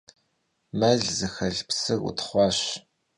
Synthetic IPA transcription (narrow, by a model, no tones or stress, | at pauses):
mɐɮzɨxɐɮpsɨɣṵtʰχʷɑːɕ